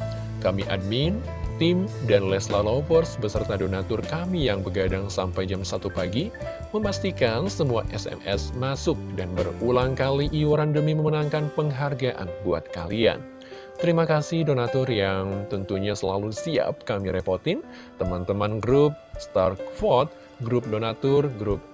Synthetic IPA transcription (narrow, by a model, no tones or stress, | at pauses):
kamiʔa̰d̚min | t̪ɪmdanlɛslalopɔrsbəsərt̪adonat̪ɔrkamijaŋbəɡadaŋsampajd͡ʒamsat̪upaɡi | məmast̪ikansəmuaʔɛsɛ̰mɛ̰smasʊk̚danbərulaŋkaliʔiwaɾandəmiməmənaŋkanpəŋɦarɡaʔa̰nbua̰t̪̚ka̰lia̰n | t̪əɾimakasɪhdonat̪ɔrjaŋt̪ənt̪uɲasəla̰lusia̰p̚kamiɾeport̪ɪn | t̪əmant̪əmanɡɾup̚st̪arkfɔt̪̚ | ɡɾup̚donat̪ʊrɡɾup̚